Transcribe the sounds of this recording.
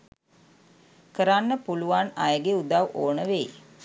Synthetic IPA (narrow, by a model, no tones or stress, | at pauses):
kəɾanːəpuluʋanajəɡeud̪awʔoːnəʋej